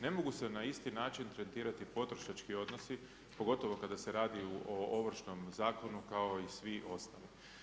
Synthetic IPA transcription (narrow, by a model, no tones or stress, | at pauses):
ne̞mo̞ɡuse̞naist̪inaːt͡ʃint̪ɾent̪iːɾat̪ipo̞t̪ɾo̞ʃat͡ʃkio̞d̪no̞si | po̞ɡo̞t̪o̞ʋo̞kad̪ase̞ɾaːd̪iuʔooʋr̩ʃno̞mzaːko̞nukao̞isʋiʔo̞st̪ali